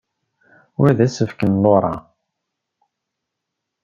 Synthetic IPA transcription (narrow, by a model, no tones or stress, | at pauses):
wæðæsəfkənloɾˤɑ